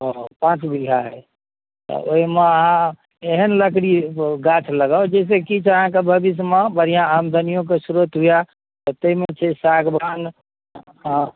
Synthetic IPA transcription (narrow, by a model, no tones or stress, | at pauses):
ɦopãt͡ʃbiɡʱaɦɛ | t̪ɔ̰oɦimeəɦã | eɦənləkɽiɡat͡ʃʰləɡəod͡ʒes̬ekit͡ʃʰəɦãkebʱəbis̬mebəɾijãamd̪ʱənijõk̬esuɾət̪ɦuja | t̪ɔt̪əimet͡ʃʰɛsaɡbʱan | ɦ